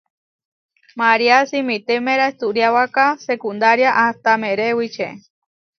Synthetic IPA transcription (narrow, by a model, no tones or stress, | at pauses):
maɾiasimit̪emẽɾaest̪uɾjawakasekund̪aɾjaʔast̪ameɾewit͡ʃḛ